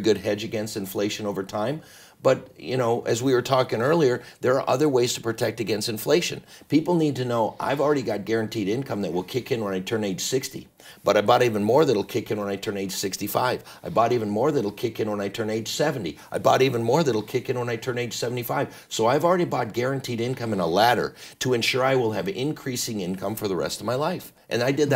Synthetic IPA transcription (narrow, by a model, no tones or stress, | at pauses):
ɡʊd̚ɦɛd͡ʒɨɡɛ̃nstɨ̃ɱfleɪʃɨ̃noʊvə˞tʰãɪ̃m | b̥ʌt̚jɨ̰ñoʊʔɨzwiwə˞tʰɔkɪ̃ŋɜ˞lˠiə˞ðə˞ːʔʌðə˞weɪz̥tʰə̥pʰɹ̥ɨtʰɛk̚tɨɡɛ̃nstɨ̃ɱfleɪʃɨ̰̃npipl̩ˠnid̚tɨnoʊʔa̰ɪvl̩ˠɹɛɾiɡɑt̚ɡ̥ɛɹɨ̃ntʰiɾɪ̃nkʰʌ̃mðɨt̚wɪlˠkʰɪkɨ̃nwə̃naɪtʰɜ̃˞neɪd̥ʒ̥sɪkstḭ | b̥ʌɾaɪbɑɾivɨ̃nmɔɹðɨɾl̩ˠkʰɪkɨ̃nwə̃naɪtʰɜ̃˞neɪd̥ʒ̥sɪkstifaɪv | aɪbɔɾivɨ̃n̩mɔɹðɨ̃ɾl̩ˠkʰɪkɨ̃nwə̃naɪtʰɜ̃˞neɪ̥ʒ̥sɛvn̩tḭʔaɪbɔɾivɨ̃nmɔɹðɨɾl̩ˠkʰɪkɨ̃nwə̃naɪtʰɜ̃˞neɪdʒ̥sɛvn̩tifaɪv̥ | soʊaɪəvl̩ˠɹɛɾibɑt̚ɡ̥ɛɹɨ̃ntʰiɾɪ̃nkʰʌ̃mɨ̃nəlæɾə̰˞ɾəɨ̃nʃʊɹaɪwɪlˠɨvɪ̰̃nkʰɹ̥isɪ̃ŋɪ̃nkʰʌ̃ɱfə˞ðəɹɛ̰stʌvmaɪlaɪf | ʔɨ̰̃naɪdɨd̪̚ð